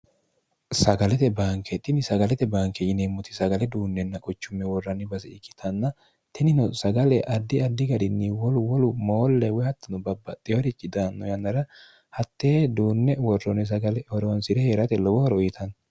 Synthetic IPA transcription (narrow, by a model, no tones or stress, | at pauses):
sɐɡɐlɛt̪ɛbaːŋkʰɛt̪ʼɪnɪsɐɡɐlɛt̪ɛbaːŋkɛjɪnemːʊt̪ɪsɐɡɐlɛd̪uːnːɛnːɐkʼʊt͡ʃːʊmːɛwɔrːɐnːɪbɐzɛɪkːɪ̥t̪ʰɐnːɐ | t̪ɪnɪnɔsɐɡɐlɛʔɐd̪ːɪɐd̪ːɪɡɐd̪ɪnːɪwɔlʊwɔlʊmoːlːɛwɛhɐt̪ːɐnʊbɐbːɐt̪ʼːɪjɔɾɪt͡ʃːɪd̪aːnːɔjɐnːɐɾɐ | hɐt̪ːeːd̪uːnːɛwɔrːɔnɛs̬ɐɡɐlɛhɔɾɔwɐnsɪɾɛheːɾɐt̪ɛlɔwɔhɔɾɔjɪt̪ʰɐn